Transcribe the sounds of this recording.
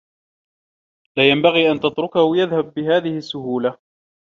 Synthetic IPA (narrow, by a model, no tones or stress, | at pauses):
laːjambaɣiːʔant̪at̪ɾʊkahʊjaðhabːɪɦaːðɪhɪsːʊhuːla